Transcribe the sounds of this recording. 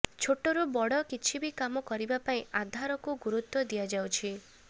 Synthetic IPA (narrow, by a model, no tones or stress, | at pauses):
t͡ʃʰoʈoɾubɔɽɔkit͡ʃʰibikamɔkɔɾibapaĩad̪ʱaɾɔkuɡuɾut̪ːɔd̪ijad͡ʒawt͡ʃʰi